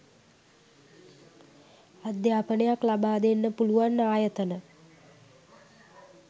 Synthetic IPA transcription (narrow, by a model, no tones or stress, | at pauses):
ad̪jaːpənəjaklabaːd̪enːəpuluʋanːaːjət̪ənə